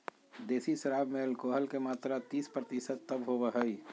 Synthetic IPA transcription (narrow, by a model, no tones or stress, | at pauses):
d̪eːsiʃəɾaːbmeəlkoːɦəlkemaːt̪ɾat̪iːspɾət̪isət̪ːəbɦobəɦəi